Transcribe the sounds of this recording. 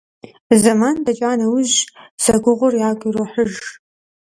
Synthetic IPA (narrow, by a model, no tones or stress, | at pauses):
zɐmandɐt͡ʃʼaːnɐwʊʑz̥ɐɡʷʊʁʷʊrjaːɡʷiroħəʒ